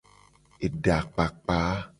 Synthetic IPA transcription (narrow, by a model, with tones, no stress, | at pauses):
e˨ɖa˨k͡pa˨k͡pa˨˦